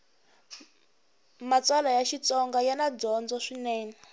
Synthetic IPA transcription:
mat͡swalajaʃit͡sɔŋɡajanad͡zɔnd͡zɔʂinɛːna

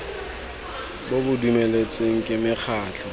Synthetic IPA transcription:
bobʊdumelet͡sʼweŋ̩kʼɪmɪχʰaːt͡ɬʰɔ

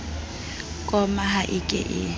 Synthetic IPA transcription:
kʼɔmaɦaʔɪkʼɪ̰ʔɪ

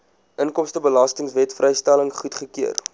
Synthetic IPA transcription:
ʔənkɔmstəbəlɐstəŋsvɛtfrɛjstæləŋχutχəkiər

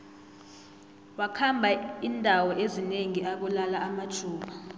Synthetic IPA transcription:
wakʰambʱaindʱawɔʔezineŋiʔak̬ulalaamatʰuːɓa

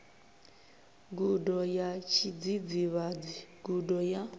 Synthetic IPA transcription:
ɡudɔjat͡ʃʰid͡zid͡ziβad͡ziɡudɔja

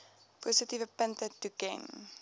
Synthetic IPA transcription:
posətivəpəntətukɛ̰n

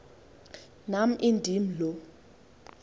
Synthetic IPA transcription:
nam̩ʔindʱim̩lɔ

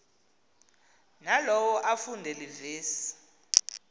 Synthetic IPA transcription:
nalɔwɔʔafundʱɛliviːsi̥

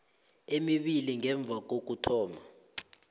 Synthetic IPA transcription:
emiɓiliŋɛɱb̪vʱak̬ok̬utʰɔːma

